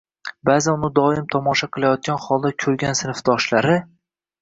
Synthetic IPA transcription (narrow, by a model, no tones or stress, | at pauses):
baːzanʊnɪd̪ɒɪmt̪ʰɒmɒʃaqʰɨlˠajɒt̪̚ɡʲanχɒlˠd̪akʲʰɵɾɡʲansɪnɪfd̪ɒʃlaɾɪ